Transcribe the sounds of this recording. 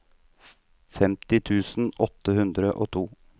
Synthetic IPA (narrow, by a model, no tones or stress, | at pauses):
fɛmt̪ɪt̪ʰʉːsn̩ɔt̪ːəhʉnd̪ɾəʔoːt̪ʰuː